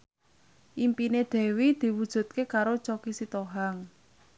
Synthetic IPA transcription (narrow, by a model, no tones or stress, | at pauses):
ʔimpined̪̥ɛ̤wid̪̥i̤wud̥ʒ̥ṳt̪̚kekaɾot͡ʃokisit̪oɦaŋ